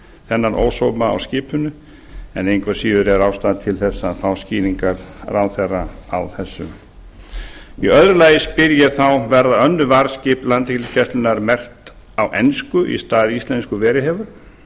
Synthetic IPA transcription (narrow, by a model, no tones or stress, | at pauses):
θɛnːaɾʔo̰ːwsowmaa̰wscɪːpʰʏnːʏ | ɛ̰nejŋkvɛsiːðʏɾɛɾawst̪aːðt̪ʰɪlθɛsːaθawsciːðiŋkaɾrawθɛrːaa̰wθɛsːʏ̰m | iœðɾʏlaːjɪspɪɾjaθawvɛɾðaœnːʏvaɾscɪplant̪ɛçlɪcʰɛst̪lʏnaɾmɛr̥t̪ | awʔɛnskʏʔḭst̪aːðɪist̪lɛnskʏvɛːɾɪhɛːvʏɾ̥